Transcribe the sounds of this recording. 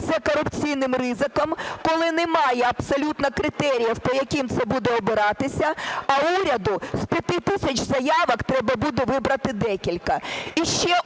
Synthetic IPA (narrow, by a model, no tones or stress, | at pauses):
t̪sɛkɔɾʊpt͡sʲijnɪmrɪzɪkɔmkɔlˠɪnɛmɑjɛɐpsɔlʲut̪nɐkɾɪt̪ɛɾʲijɐwpɔjɐkʲimt̪sɛbud̪ɛɔbɪɾɑt̪ɪsʲɐɐuɾʲɐd̪ʊspʲjɐt̪ɪt̪ɪsʲɐt͡ʃzɐjɑʋɐkt̪ɾɛbɐbud̪ɛʋɪbɾɐt̪ɪd̪ɛkʲilʲkɐiʃt͡ʃɛ